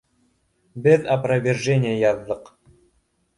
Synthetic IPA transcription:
bɘðɐprɐvʲɪrʒenʲɪjəjɑðːɤq

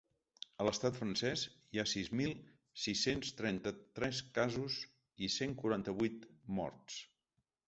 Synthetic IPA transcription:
ələst̪at̪fɾənsɛz | iasizmilˠ | sisenst̪ɾɛnt̪ət̪ɾɛskazuz | iseŋkuɾant̪əβujt̪mɔ̰ɾt̪s

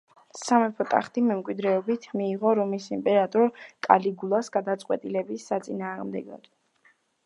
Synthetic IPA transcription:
samɛpʰɔt̪ʼa̰χt̪ʰʼimɛmkʼwid̪ɾɛɔbit̪ʰmiːʁɔɾɔmisimpʼɛɾat̪ʼɔɾkʼa̰liɡulˠasɡ̥ad̪at̪sʼqʼwɛt̪ʼilɛbisːat̪sʼinaːʁmd̪ɛ̰ɡɔ̰d̪̥

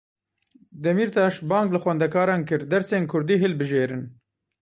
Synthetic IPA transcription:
d̪ɛmiːɾt̪ʰɑːʃbɑːŋɡlɨxwɛnd̪ɛkɑːɾɑːnkɨɾd̪ɛɾseːnkʰʊɾd̪iːɦɨlbɨʒeːɾɨn

